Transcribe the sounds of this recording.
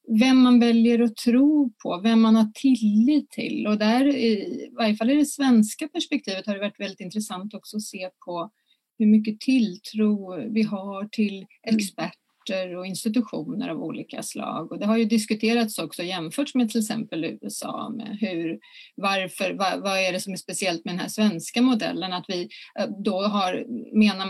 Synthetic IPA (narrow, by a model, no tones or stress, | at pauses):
vɛmːanvɛljəɾɔt̪ʰɾuːpʰɔvɛmːanhaʈʰɪlːiːt̪ʰːɪ̰lːɔd̪æɾɪvaɾjəfalːɪɖɛsvɛnskapʰæʂpɛk̚t̪ʰiːvət̪haɖɛvaʈːvɛld̪ɪt̪ɪnt̪ɾɛsant̪ɔksɔɔseːpʰɔ | hɵɾmʏkːət̪ʰɪlt̪ʰɾuːvɪɦaʈʰɪl | ɛkspæʈː | əɾɔɪnst̪ɪt̪ɵɧuːnə̰ɾa̰vṵːliːka̰slɑ̰ːɡɔd̪ɛɦaɾjɵd̪ɪskɵt̪ʰeːɾat̪sɔksɔjɛmfœːʈʂmɛt̪ʰɪlɛksɛ̰mpəlʉ̟̰ːɛsɑ̰ːmɛ̰ɦɵɾvaɾfœɾvavaæɖɛsɔmæspɛsɪɛlt̪̚mɛd̪ɛnhæ̰ʂvɛnskamʊd̪ɛ̰lːənat̪vɪd̪ɔɦaɾmeːna